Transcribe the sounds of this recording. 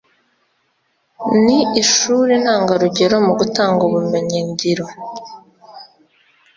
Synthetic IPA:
niiʃuːɾin̥haːŋɡaɾuɟe̞ɾo̞muɡutaːŋɡoβume̞ɲeɲɟiɾo

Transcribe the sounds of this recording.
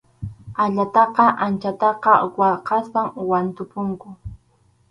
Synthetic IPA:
aʎat̪ɑqɑʔant͡ʃat̪ɑqɑwɑqɑspaŋwant̪ʊpʊŋkʊ

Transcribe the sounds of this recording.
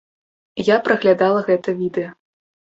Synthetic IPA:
japɾɐɣlʲad̪alˠɐɣɛt̪ɐvʲid̪ɛjɐ

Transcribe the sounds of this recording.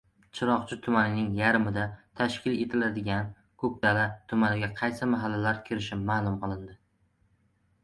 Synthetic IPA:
t͡ʃʰɪɾɒχt͡ʃʰɪt̪ʰʊmanɪnɪŋjaɾɪmɪd̪at̪ʰaʃkʲɪle̞t̪ʰɪlad̪ɪɡʲan | kʰɵp̚d̪̥alat̪ʰʊmanɪɡʲaqʰɑjsɪmaɦalːalaɾkʲʰɪɾɪʃɪmaːlˠʊmqɨlˠɪnd̪ɪ

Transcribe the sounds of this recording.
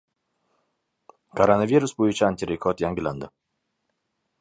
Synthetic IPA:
kʰoɾanaviɾusbojʊt͡ʃʰɪanʲt̪iɾekʰɔt̪jaŋɡɪlʲand̪ɪ

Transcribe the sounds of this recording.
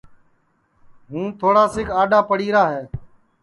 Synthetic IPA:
ɦũːt̪ʰoːɽaːsɪkaːɗaːpəɽiːɾaːɦeː

